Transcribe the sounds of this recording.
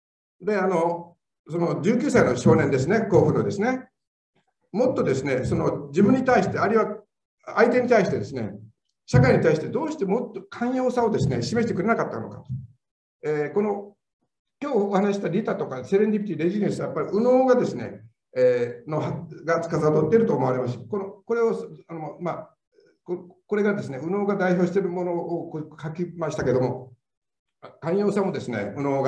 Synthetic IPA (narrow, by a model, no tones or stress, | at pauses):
d̪e̞ano̞ | so̞no̞d͡ʑɨːkʲɨːsaino̞ɕo̞ːnẽnd̪e̞s̬ɨne̞ko̞ːɸɯ̟no̞d̪e̞sɨne | mo̞t̪ːo̞d̪e̞sɨne̞so̞no̞d͡ʑibɯ̃ɲ̟ːit̪aiɕi̥t̪eaɾʲiβa | ait̪e̞ɲ̟it̪aiɕi̥t̪e̞d̪e̞sɨne̞̰ | ɕakaiɲ̟it̪aiɕit̪e̞d̪o̞ːɕi̥t̪e̞mo̞t̪ːokʰãɰ̃jo̞ːsao̞d̪e̞sɨne̞̰ɕime̞ɕi̥t̪ekɯɾe̞nakat̪ːano̞̰ka | eko̞no̞ | kʲo̞ːohanaɕi̥t̪aɾʲit̪at̪o̞kase̞ɾend̪ʲibʲit̪ʲiɾe̞ʑinesɨajapːaɾʲiʔɯ̟no̞ːɡad̪e̞sɨne̞̰ | eno̞haɡat͡sɨ̥kazad̪ot̪ːeɾɯ̟t̪o̞ːmo̞aɾe̞masi̥konoko̞ɾe̞oanoma | koko̞ɾe̞ɡad̪e̞s̬ɨne̞ɯ̟no̞ːɡad̪aiço̞ːɕit̪e̞ɾɯ̟mo̞no̞ːkokakʲimaɕi̥t̪ake̞d̪o̞mo̞ | kãɰ̃jo̞ːsamo̞d̪e̞sɨne̞̰ɯ̟no̞ːɡa